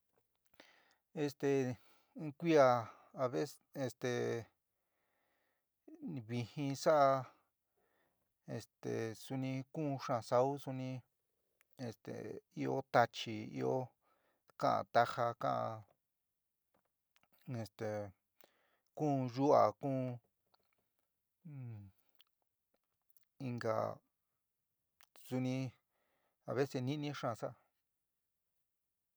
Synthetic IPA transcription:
e˧st̪ẽ˨˧˦ | kʷi˦a˧ | a˧βe˦s | e˧st̪e˨˧ | βi˧hĩ˧sa˦ʔa˧ | e˧st̪ḛ˨su˧nĩ˧kũ˦˧ʂã˧sa˧u˦su˧nĩ˧ | e˧st̪ḛ˨i˧o˦t̪a˧t͡ʃi˧ḭ˦˧o˦ | kã˦ʔã̰˧˨t̪a˧ha˧kã̰˦ʔã˧ | e˧st̪e˨ | kũː˦˨ʒu˦a˨kũː˦˧ | i˧ŋɡa̰˨ | su˧nĩ˧ | a̰˨βe˦se˧nĩ˦nĩ˦ʂã˦˧˨sa˦˧

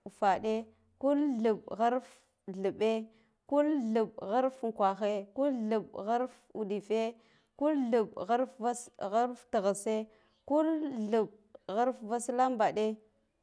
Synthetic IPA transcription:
fa˨ɗe˦ | ku˦lɮu˨bɣa˦ɾf | ɮu˨ɓe˦ | ku˦lɮu˨ɓɣa˦ɾfŋ˨kʷa˨xe˦ku˦lɮu˨ɓɣa˦ɾf | u˨di˨fe˦ | ku˦lɮu˨bɣa˦ɾfva˦sɣa˦ɾftə˨ɣa˨se˦ | ku˦lɮu˨b̚ | ɣa˦ɾfva˦sla˦mba˨ɗe˦

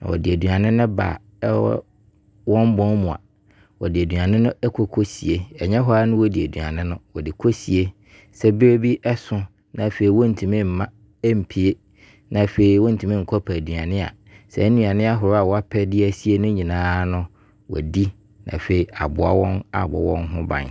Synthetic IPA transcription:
nã̰˨wɔ̰˨dɪ˨æ˨du˨a˨nɪ̃˦nʊ̃˦ba̰˨˦ | wɔ̃˦m˦bɔ̃˦n˦mũ˨a̰˨ | wɔ˨dɪ˨æ˨du˨ã˨nɪ̃˦nʊ̃˦ɛ˦kʰo˦kʰo˦si˨e˦ɛ˨ɲɛ̃˦ɦɔ˦a˦nʊ̃˦wɔ˦di˨æ˨du˨a̰˨nɪ̃˦nʊ̃˦wɔ˨dɪ˨kʰo˦si˨e˦ | sɛ˦bɪ˦ɾe˦bi˦ʔɛ˦sʊ̃˦ | nã˨fe˨i˨wɔ̃˦n̩˨tʰĩ˨mɪ̃˦m̩˨mã˦ | m̩˨pʰi˨e˦ | nã˨fe˨i˨wɔ̃˦n̩˦˨tʰĩ˨mɪ̃˦ŋ̩˨kʰɔ˦pʰa˨dɥa˨nɪ̃˦a̰˨ | sɛ˨˦nũ˨ã˨nɪ̃˦a˦ɦʊ˨ɾa˨wɔ˨a˦pʰɛ˦dɪ˦æ˦si˦e˦nʊ̃˦ɲĩ˨nãː˦nʊ̃˦ | wɔ̰˨di˦ | nʔã̰˨fe˨i˨a̰˨bʊ˨a˦wɔ̃˦na̰˨bɔ̰˦wɔ̰̃˦nɦʊ̃˦bã̰˨n

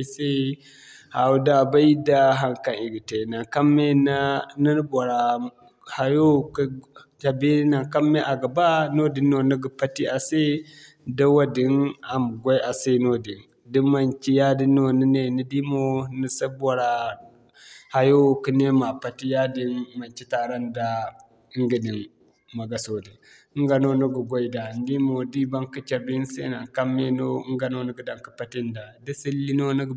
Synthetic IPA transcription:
se˦ | ha˨wu˦da˨ba˦i˦da˦ɦa˦ŋka˨ni˨ɡi˨te˨na˨ka˦me˦n˦ni˦n˦bo˨ɾa˨ | ha˨jo˦k | d͡ʒa˨be˦na˨ŋka˦mːe˦ʔa˨ɡa˨ba˦no˦di˨no˨nə˦ɡə˨pa˦ti˦ʔa˨se˦ | da˦wa˦di˨˦na˨m˨ɡʷa˦jʔa˨se˦no˦di˨n | di˦ma˨nt͡ʃi˦ja˦di˦no˨ni˦ne˨ni˦di˦mo˦nə˨sə˦ba˨ɾa˨ | ha˦jo˦ki˦ne˦ma˨pa˨ti˦ja˦di˦nma˨nt͡ʃi˦ta˨ɾa˦nda˦ | ŋɡə˨di˨n | ma˨ɡa˨so˨di˨˦ | ŋɡa˨no˦nu˦ɡə˨ɡo˦i˨da˨n˦di˦mo˨di˦ba˦ŋki˦t͡ʃe˨ɾdi˦n˦sḛ˦na˨ŋka˦mːe˦no˦ɡa˨no˦nə˦ɡə˨da˨ŋkə˨pa˨˦ti˦nda˨də˦si˦lːi˦no˦nə˦ɡ

